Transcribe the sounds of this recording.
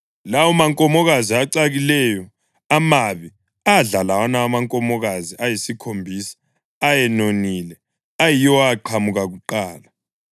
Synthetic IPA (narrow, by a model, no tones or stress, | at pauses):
lawɔmaŋkʼɔmɔɣaziaǀaɣilɛjɔ | amaβi | aɮalawanaamaŋkʼɔmɔɣaziʔajisikʰombʱiːsḁː | jɛnoniːlɛ | ajijɔwaaǃʰamuɣaɣuǃaːla